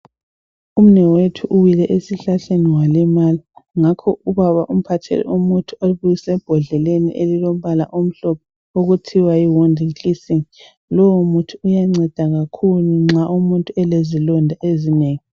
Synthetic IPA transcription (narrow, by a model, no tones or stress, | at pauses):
um̩nɛwetʰuʔuwilɛʔesiɬaɬeniwalɛmaliŋakʰɔuβaβaʔum̩pʰatʰɛ̰lɛ̰umutʰuoβujisɛb̥ʱɔɮɛlenḭʔelilom̩βala̰ʔom̩ɬɔpʰɔ | oɣutʰiwaiwɔndʱiŋkʼisiŋ | lɔwomutʰuːjaŋ͡ǀɛd̥ʱaɣakʰuluŋ͡ǁaʔumuntʼuɛlezilɔndʱaʔezineːŋi